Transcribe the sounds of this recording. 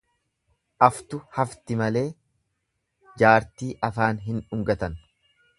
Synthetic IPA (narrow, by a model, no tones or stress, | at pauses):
ʔɐft̪ʊhɐft̪ɪmɐle̞ː | d͡ʒaːɾt̪iːʔɐfaːnɦɪnʊŋɡɐt̪ɐn